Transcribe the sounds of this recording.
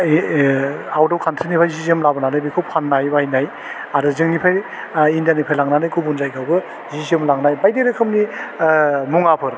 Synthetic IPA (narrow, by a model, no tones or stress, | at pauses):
awdɔwkʰantʰɯnipʰajzizɯmlabɯnanajbikʰɯwpʰanːajbajnaj | aɾɯzɯŋnipʰaj | indijanipʰajlaŋnanajkʰubunzajɡʰawbɯ | ziziɯmlaŋnajbajdeɾɯkʰɯmni | muŋapʰɯɾ